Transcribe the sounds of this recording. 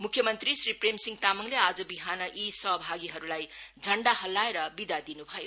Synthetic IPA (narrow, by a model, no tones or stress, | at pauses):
mukʰːjʌmʌnt̪ɾisɾipɾemsiŋt̪amʌŋlead͡ʒʌbiɦanʌʔisʌɦbʱaɡiɦʌɾulajd͡ʒʱʌɳɖahɐlːaeɾʌbid̪ad̪inuɦʌjo